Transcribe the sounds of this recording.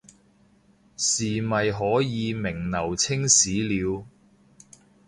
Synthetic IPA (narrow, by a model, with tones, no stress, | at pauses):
siː˨mɐ˨jɦɔː˨˥jiː˨˧mɪ˨˩ŋnɐ˨˩wt͡sʰɪ˥ŋsiː˨˥liː˨˧w